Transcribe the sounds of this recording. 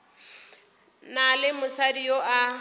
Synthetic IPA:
nalɪmʊsadioʔa

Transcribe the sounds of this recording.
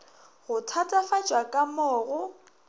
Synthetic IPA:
ɣʊtʰatʼafad͡ʒʼwakʼamɔːɣʊ

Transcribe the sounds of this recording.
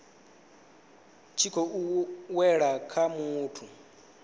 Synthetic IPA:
t͡ʃʰikʰɔuwɛɺakʰamuːtʰu

